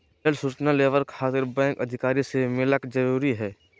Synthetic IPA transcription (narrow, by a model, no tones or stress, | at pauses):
əlsʊt͡ʃnaleːʋəɾkxaːt̪ɪɾbɛ̃ːŋkɐd̪ʱɪkaːɾisemɪləkd͡ʒɐɾuːɾiɦɛː